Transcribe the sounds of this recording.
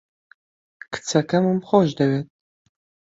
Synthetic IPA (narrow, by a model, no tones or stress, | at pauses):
kʰɨ̥t͡sʰɐkʰɐmɨmχʷɔʒdɐɥɛt̚ʼ